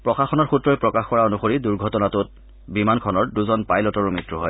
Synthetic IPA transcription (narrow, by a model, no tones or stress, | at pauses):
pɹɔxaxɔnɔɹxutɹɔjpɹɔkaxkɔɹaonuxoɹiduɹɡʱɔtɔnatʊt̚ | bimankʰɔnɔɹduzɔnpajlɔtɔɹumitɹuɦɔj